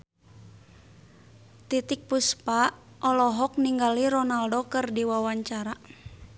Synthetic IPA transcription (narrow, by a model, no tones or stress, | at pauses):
t̪it̪ik̚puspaʔ | ʔɔlɔɦɔk̚niŋɡaliɾɔnaldokɨrdiwawaɲt͡ʃaɾa